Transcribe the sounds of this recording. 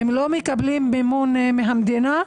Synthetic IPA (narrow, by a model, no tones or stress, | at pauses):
emlomekablimbemonmeɦamd̪ina